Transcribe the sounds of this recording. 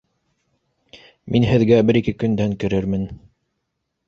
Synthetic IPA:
minɦɘ̆ðɡæbɘɾikɘkɵ̆nd̪æŋkɘ̆ɾɘɾmɘn

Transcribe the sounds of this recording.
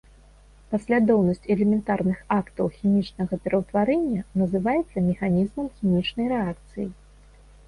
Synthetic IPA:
pasʲlʲad̪ɔwnɐsʲt͡sʲɛlʲɛmʲɛnt̪arnɨxakt̪ɐwxʲimʲit͡ʂnɐɣɐpʲɛɾʔɐwt̪vaɾɛnʲːɐnɐzɨvajɛt̪sːɐmʲɛxanʲizmɐmxʲimʲit͡ʂnɐjɾɛakt̪sɨ̰ji

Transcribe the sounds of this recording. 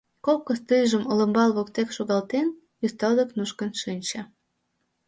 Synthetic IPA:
kokːəst̪ɨjʒəmələ̆mbɑlβokt̪ekʃoɣɑlt̪en | jyst̪ɑld̪ə̆knuʃkənʃinʲt͡ɕĕ

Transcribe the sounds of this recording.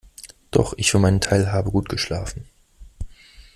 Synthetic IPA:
d̥ɔ̰χʔɪçfyːɐmaɪnəntʰaɪlɦaːbəɡuːtɡ̥əʃla̰ːfn̩

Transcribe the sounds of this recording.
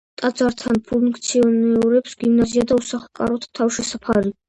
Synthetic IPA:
t̪ʼad̪zaɾt̪ʰanpʰuŋkʰt̪sʰiɔnɛuɾɛpsɡimnaziad̪ausaχkʼa̰ɾɔt̪ʰt̪ʰavʃɛsapʰaɾi

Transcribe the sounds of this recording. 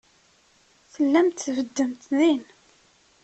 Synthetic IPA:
θəlːæmt̪θvəd̪ːəmt̪ðin

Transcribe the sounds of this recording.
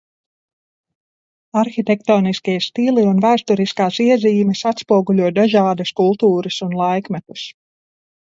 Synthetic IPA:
aɾxit̪ek̚t̪ɔːniskiɛst̪ilˠiunvæːst̪uɾiskaːsiɛziːmɛsat̪spuɔɡulʲuɔjd̪aʒaːd̪ɐskulˠt̪uːɾɐsunlˠajkmɛt̪us

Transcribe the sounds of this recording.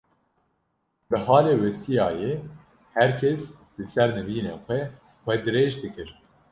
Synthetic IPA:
bɨɦɑːleːwɛsijɑːjeː | hæɾkʰɛslɨsɛɾnɨviːneːxʷɛ | xʷɛd̪ɨɾeːʒd̪ɨkɨɾ

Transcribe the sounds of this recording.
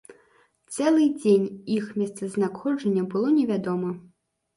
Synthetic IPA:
t̪sɛlˠɨd͡zʲenʲixmʲɛst̪sɐznakxɔd͡ʐɐnʲːɐbɨlˠɔnʲɛvʲad̪ɔmɐ

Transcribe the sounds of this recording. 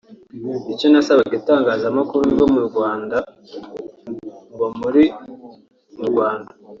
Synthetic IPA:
iconasaβaɡitaːŋɡaːzamakuɾuɡo̞muɾɡwaːnda | mbomuɾi | muɾɡwaːnda

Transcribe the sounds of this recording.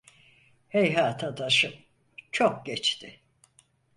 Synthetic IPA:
hejɦaːt̪ʰad̪aʃɯ | t͡ʃʰok̚ɟɛt͡ʃt̪ʰɪ

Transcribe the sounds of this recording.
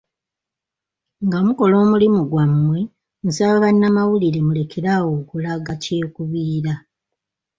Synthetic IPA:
ŋɡamuko̞lo̞ːmulimuɡwamːwe̞ | musaβaβanːamawuliɾe̞mule̞kʰe̞ɾawo̞ːkulaɡace̞ːkuβiːɾa

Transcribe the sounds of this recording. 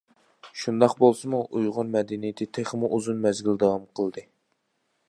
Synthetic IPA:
ʃund̪ɑqbolˠsɨmuʔujʁʊnmɛd̪ɛnijɪt̪ʰɪt̪ʰeχmuʔuzunmɛzɡʲild̪ɑwɑmqʰəlˠd̪ɨ

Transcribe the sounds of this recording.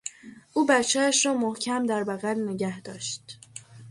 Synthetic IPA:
ʔuːbætt͡ʃʰææʃɾɒːmohcʰæmd̪æɾbæɣælneɟæhd̪̥ɒːʃt̪

